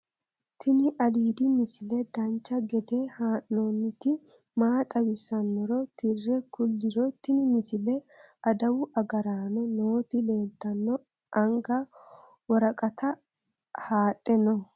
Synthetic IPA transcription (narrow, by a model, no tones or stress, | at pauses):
t̪ʰɪnɪʔɐliːd̪ɪmɪsɪlɛd̪ɐnt͡ʃːɐɡɛd̪ehaːʔnoːnːɪt̪ɪ | maːt̪ʼɐwɪsɐnːɔɾɔt̪ɪrːɛkʊlːɪɾɔt̪ɪnɪmɪsɪlɛ | ɐd̪ɐwʊʔɐɡɐɾaːnɔnoːt̪ɪle̞ːlt̪ːɐnːɔ | ʔɐŋɡɐ | wɔɾɐkʼɐt̪ʰɐ | haːtʼːɛnɔ